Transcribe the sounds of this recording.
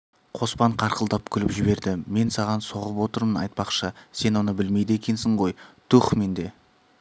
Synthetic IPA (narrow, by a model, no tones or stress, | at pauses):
qʰo̞spɑɴqʰɑɾqəlˠd̪ɑp̚kʲʰʏlɪpʒɪbe̞ɾd̪ɪme̞nsɑʁɑnso̞ʁəpwo̞t̪əɾmənɑ̰jt̪̚pɑqʃəse̞nwo̞nəbɪlme̞jd̪əe̞kʲe̞nsɪɴʁo̞jt̪ʰuχme̞nd̪e̞